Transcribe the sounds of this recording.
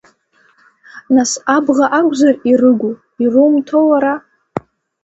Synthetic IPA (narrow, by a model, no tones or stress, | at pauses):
nasabʁaʔakʷʼzarirɨɡʷu | irɨmtʰolaɾa